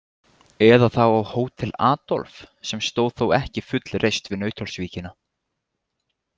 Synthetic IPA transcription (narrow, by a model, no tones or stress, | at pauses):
ɛðaθawawhoːwt̪ʰɪlaːt̪ɔ̰lfsɛmst̪oːwð̥θowɛhcɪfʏt̪lrʔejst̪vɪðnœːɥt̪ʰɔl̥sviːcɪna